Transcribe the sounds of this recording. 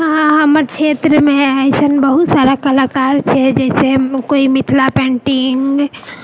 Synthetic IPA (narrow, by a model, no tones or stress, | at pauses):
ɦãɦəməɾt͡ʃʰet̪ɾəmeəjsənbəɦut̪saɾakəlakaɾt͡ʃʰɛd͡ʒɛɪsekoimit̪ʰlapɛ̃ɳʈiŋɡɡ